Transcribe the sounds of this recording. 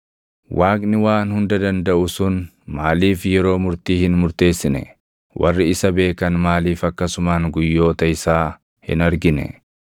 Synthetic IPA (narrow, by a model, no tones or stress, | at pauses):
wʔaːkʼnɪwaːnhʊnd̪ɐd̪ɐnd̪ɐʔʊsʊn | maːliːfjɛɾo̞ːmʊɾt̪iːhɪnmʊɾt̪e̞ːsːɪnɛ̰ | wʔɐ̰rːɪɪsɐbe̞ːkɐnmaːliːfɐkːɐsʊmaːŋɡʊjːo̞ːt̪ɐɪsaː | hɪ̰nɐɾɡɪnɛ̰